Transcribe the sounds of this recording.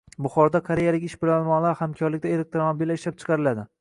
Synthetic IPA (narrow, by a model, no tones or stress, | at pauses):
bʊχɒɾd̪akʰaɾejalɪkʲɪʃbɪlaɒlˠmɒʁlˠaɾhamkʲʰɒɾlɪk̚ʲt̪ae̞lek̚t̪ɾomobilːaɪʃlap̚t͡ʃʰɨ̥qʰɑɾɪlad̪ɪ